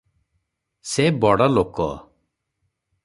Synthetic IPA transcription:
sebɔɽɔlokɔ̰

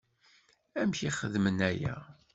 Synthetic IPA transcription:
æmçiχəðmənæjæ̰

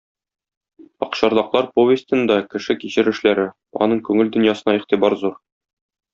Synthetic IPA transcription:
ɒqɕɒɾlˠɑqlˠɑɾpovʲɪst̪ɘ̆nd̪ɒkɘ̆ʃɘkiɕɘɾɘ̆ʃlæɾɘ | ɒ̰nɤɴkʉŋɘld̪ɵ̆njɑsɤ̆nɑiqt̪ibɑɾzuɾ

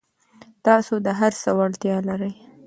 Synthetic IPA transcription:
t̪ɑsod̪əɦaɾsəwaɽt̪jɑlaɾəj

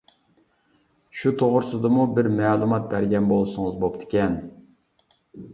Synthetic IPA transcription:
ʃut̪ʰoʁʊɾsɨd̪ɨmubɪɾmɛːlˠumɑt̪̚bæɾɡʲɛnbolˠsʊŋɨzbop̚t̪ʰɪ̥kʲɛn

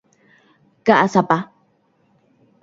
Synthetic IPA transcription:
kaʔasapa

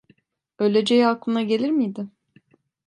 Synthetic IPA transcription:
ø̞jlʲed͡ʒejiaklˠɯnaɟe̞lʲiɾmijd̪ɪ

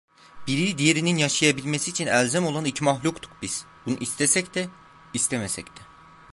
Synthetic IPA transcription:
b̥iɾid̪ijeɾininjaʃajabilʲmesiːt͡ʃʰinælʲzæmo̞lˠanicʰmaxlʲukt̪ʰu̥k̚biz̥bunṵʔist̪ʰesɛcd̪ɛ | ist̪ʰemesɛct̪ʰɛ

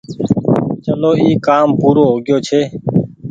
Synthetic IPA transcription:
t͡ʃəloːiːkaːmpuːɾoːɦoːɡɪjoːt͡ʃʰeː

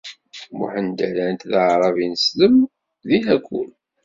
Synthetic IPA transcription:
mṵħənd̪ælænt̪ðəʕɾˤɑvinəsləm | ðihækʷːṵl

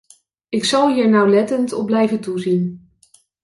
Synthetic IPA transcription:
ɪksɑlˠɦiːɹnɑwlɛtəntɔ̰b̚blɛjvəntuzin

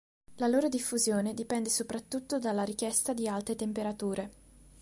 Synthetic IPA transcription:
laloːɾod̪ifːuzjoːned̪ipɛnd̪esopɾat̪ːut̪ːod̪alːaɾik̟jɛst̪ad̪ialt̪ɾet̪empeɾat̪uːɾe

